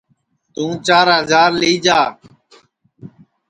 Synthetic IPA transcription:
t̪ũːt͡ʃaːɾɦəzaːɾliːd͡ʒaː

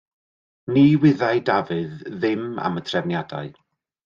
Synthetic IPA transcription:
niːwɪðajdavɨðːɪma̰mətʰrɛvnjada̰ɨ

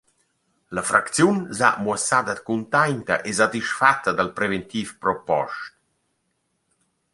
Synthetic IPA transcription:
lafɾʔakt̪t͡sjunza̰mwasad̪əd̪kunt̪ajnt̪ə̰ʔezat̪iʃfat̪ːəd̪alpɾevent̪iːfpɾɔpɔ̰ʃt̪̚

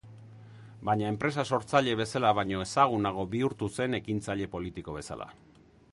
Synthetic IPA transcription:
bajɲae̞mpɾe̞s̬aso̞ɾt͡saʎe̞β̞e̞salaβ̞ajɲo̞e̞saɣ̞unaɣ̞o̞βiuɾt̪use̞ne̞kint͡saʎe̞po̞lit̪iko̞β̞e̞sa̰la̰

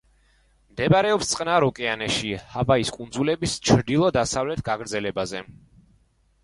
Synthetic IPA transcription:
md̪ɛbaɾɛɔpst̪sʼqʼnaɾɔkʼɛanɛʃihavaiskʼund̪zulɛbist͡ʃʰɾd̪ilˠɔd̪asavlɛt̪ʰɡaɡɾd̪zɛlɛbazɛ

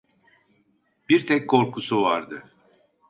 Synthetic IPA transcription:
biɾt̪ʰɛc̚kʰo̞ɾkʰusuvaɾd̪ɯ

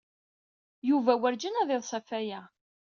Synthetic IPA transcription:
juvæwəɾd͡ʒənæðˤɪðˤsˤɑfæjæ

